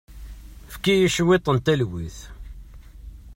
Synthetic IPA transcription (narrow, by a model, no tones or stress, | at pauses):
fkijəʃwet̪ˤːənt̪ælwiθ